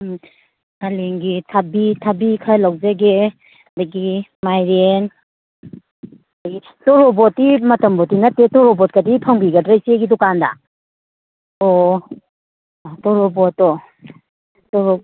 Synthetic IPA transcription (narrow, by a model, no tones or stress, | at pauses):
aleŋɡitʰabitʰabikʰalawzaɡe | daɡimajɾen | ji | tɔɾɔbɔtimɐtɐmbɔtinatːetɔɾɔbɔt̚kadipʰɐŋbiɡɐdɾajseɡidɔkanda̰ | ɔ | tɔɾɔbɔtɔ | tɔɾɔ